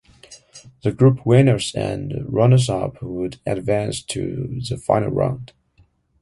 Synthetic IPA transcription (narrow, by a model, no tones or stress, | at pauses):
ðɨɡɹʉpʰwẽɪ̃nə˞zɨ̰̃nɹʌnə˞zʌpwəɾɨdvæ̃nstʰɨ̰ðəfã̰ɪnl̩ˠɹã̰ʊ̃nd̥